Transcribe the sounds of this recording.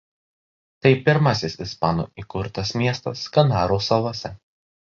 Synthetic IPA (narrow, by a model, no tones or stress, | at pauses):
t̪ɐɪpʲɪɾmɐsʲɪsɪspɑːno̰ːʔiːkʊɾt̪ɐsmʲiɛst̪ɐ̰skɐnɑːɾoːsɐʋˠosʲɛ